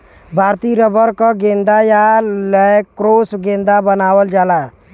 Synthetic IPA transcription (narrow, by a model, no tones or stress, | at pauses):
bʱaːɾt̪iɾəbəɾkɔɡẽːnd̪ajaləkɾoːsɡẽːnd̪abənaːwəld͡ʒaːla